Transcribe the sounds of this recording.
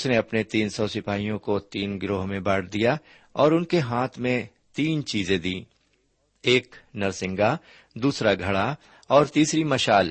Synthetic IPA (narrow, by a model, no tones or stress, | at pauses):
sneɐpnet̪iːnsɔːsɪpaːijõkot̪iːnɡɾoːɦmẽbaːɽd̪ija | ɔːɾʊnkeɦaːt̪ʰmẽ | t̪iːnt͡ʃiːzẽd̪ĩː | eːknɐɾsɪ̃ŋɡa | d̪uːsɾaɡʱɐɽa | ɔːɾt̪iːsɾimɐʃaːl